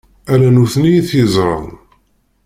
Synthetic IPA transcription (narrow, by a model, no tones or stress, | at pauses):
ælænuθnijiθjəzˤɾˤɑ̰n